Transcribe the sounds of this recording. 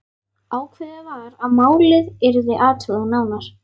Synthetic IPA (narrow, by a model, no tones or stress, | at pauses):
aːwkʰvɛðavaɾaðmaːwlɪðɛɾðɪʔaːt̪ʰʏɣðanaːwnaɾ̥